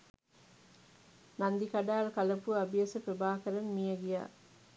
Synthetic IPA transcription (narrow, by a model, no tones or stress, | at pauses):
nɐnd̪ikɐɖaːlkɐlɐpuɐbijɐsɐpɾɐbaːkɐɾɐmmijɐɡija̰ː